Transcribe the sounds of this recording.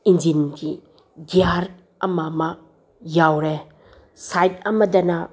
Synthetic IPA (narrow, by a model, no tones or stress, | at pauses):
ind͡ʒinɡi | ɡiaɾ | ɐmɐmɐ | jawɾe | sajt̚ɐmɐdɐnɐ